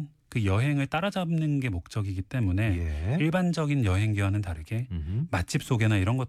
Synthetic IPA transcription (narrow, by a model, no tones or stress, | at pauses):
kɯjʌɦe̞ŋɯɭt͈aɾad͡ʑanɯnɡe̞mok̚t͡ɕ͈ʌɡiɡit͈e̞mune̞jeiɭband͡ʑʌɡinjʌɦe̞ŋɡiwanɯntaɾɯɡe̞mat͡ɕʰip̚s͈oɡe̞naiɾʌnɡʌt